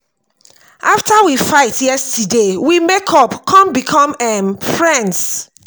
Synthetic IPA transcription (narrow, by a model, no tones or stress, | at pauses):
ʔaftawifaɪtjɛstidewimekʰɔpkʰɔ̃mbikʰɔ̃mɛmfɹɛ̃nds